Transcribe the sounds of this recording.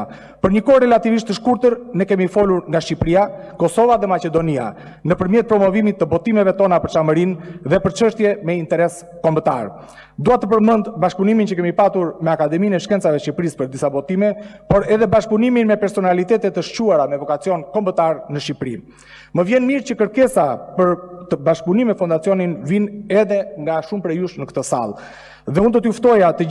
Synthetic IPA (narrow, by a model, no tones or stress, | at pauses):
pəɾɲəkɔɾɛlat̪iviʃt̪əʃkuɾt̪əɾnɛkɛmifɔluɾŋɡaʃcipɾiakɔsɔvaðɛmat͡ɕɛd̪ɔnia̰ | nəpəɾmjɛt̪̚pɾɔmɔvimit̪ːəbɔt̪imɛvɛt̪ɔnapəɾt͡ʃaməɾinðɛpəɾt͡ʃəʃt̪jɛmɛint̪ɛɾɛs | kɔmbət̪a̰ɾ | d̪uat̪əpəɾmənd̪baʃpunimint͡ɕəkɛmipat̪uɾmɛakad̪ɛminɛʃkɛnt͡savɛʃipɾispəɾd̪isabɔt̪imɛpɔɾɛðɛbaʃpuniminmɛpɛɾsɔnalit̪ɛt̪ɛt̪əʃcuaɾamɛvɔkat͡siɔnkɔmbət̪aɾnəʃipɾi | məvjɛnmiɾt͡ɕəkəɾkɛsapəɾt̪əbaʃpunimɛfund̪at͡siɔninvinɛðɛŋɡaʃumpɾɛjuʃnəkət̪əsa̰lˠ | ðɛund̪ɔt̪juft̪ɔjat̪ə